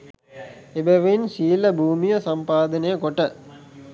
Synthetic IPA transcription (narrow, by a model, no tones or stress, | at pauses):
ebəʋɐinsiːləbʱuːmijəsɐmpaːd̪ənəjəkoʈə